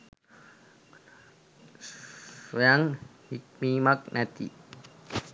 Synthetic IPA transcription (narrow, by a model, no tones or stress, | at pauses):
sojaŋhik̚mimak̚nɛt̪ḭ